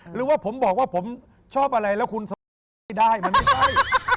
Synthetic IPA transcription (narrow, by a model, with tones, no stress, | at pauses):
ɾɯː˩˦waː˥˩pʰo˩˦mbɔː˨˩k̚waː˥˩pʰo˩˦m | t͡ɕʰɔː˥˩p̚ʔa˧ɾa˧jlɛ˦˥wkʰu˧nsa˧˦ | a˥˩jdaː˥˩jma˧nma˥˩t͡ɕʰa˥˩j